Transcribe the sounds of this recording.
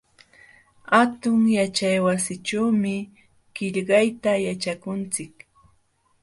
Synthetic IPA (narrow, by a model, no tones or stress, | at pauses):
hat̪ʊŋjat͡ʃajwasɪʈ͡ʂawmɪ | ɢ̥ɪʎɢɑjt̪ajat͡ʃakʊnt͡sɪk